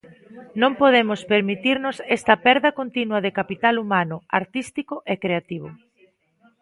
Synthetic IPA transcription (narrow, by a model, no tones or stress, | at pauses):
nõmpoð̞emʊspeɾmit̪iɾnʊsɛst̪ɐpɛɾðɐkont̪inwɐðɪkapit̪alumanʊaɾt̪ist̪ikʊʔekɾeat̪iβ̞ʊ